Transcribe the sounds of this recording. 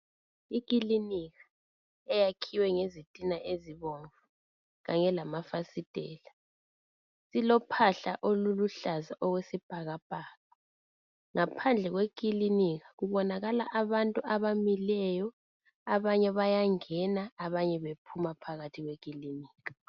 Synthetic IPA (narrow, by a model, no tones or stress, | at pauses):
ikʼiliniɣḁ | ɛjakʰiwɛŋezitʼinaʔeziβɔɱvu | ɣaɲɛlamafasid̥ʱɛ̰ːla | silɔpʰaɬa̰ʔoluluɬazaʔɔwesib̥ʱaɣab̥ʱaːɣa | ŋapʰand͡ɮʱɛɣwek̬ʼiliniɣaɣuβɔnaɣala̰ʔaβantʼuaβamilɛjɔ | aβaɲɛβajaŋɛnaaβaɲɛβepʰumapʰaɣatʰiɣwekʼiliniːɣḁ